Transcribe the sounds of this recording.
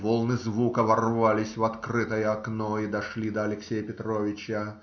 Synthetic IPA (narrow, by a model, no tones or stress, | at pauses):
volˠnɨzvukəvɐrvalʲɪsʲvɐt̪krɨt̪əjəɐknoid̪ɐʂlʲid̪əɐlʲɪksʲejəpʲɪt̪ɾovʲɪt͡ɕə